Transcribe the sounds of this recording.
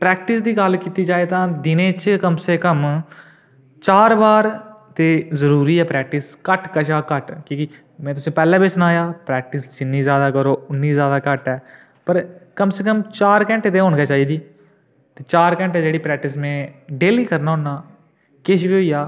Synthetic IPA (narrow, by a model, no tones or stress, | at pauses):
pɾɛːk̚ʈɪsd̪iːɡəlkiːt̪iːd͡ʒaːet̪ãːd̪ɪnẽːt͡ʃkəmseːkəm | t͡ʃaːɾbaːɾt̪eːzəɾuːɾiːɛːpɾɛːk̚ʈɪskəʈkəʃaːkəʈkĩːkɪ | mɛ̃ːt̪ʊsẽːpɛːlãːbesnaːjaːpɾɛːk̚ʈɪsd͡ʒɪnːiːzjaːd̪aːkəɾoːʊnːiːzjaːd̪aːkəʈɛː | pəɾkəmseːkəmt͡ʃaːɾkɛ̃ːɳʈeːt̪eːɦoːɳkaːt͡ʃaːiːd̪iː | t̪eːt͡ʃaːɾkɛ̃ːɳʈeːd͡ʒeːɽiːpɾɛːk̚ʈɪs̬mẽːɖeːliːkəɾnaːɦʊnːaː | kɪʃbiːɦʊijaː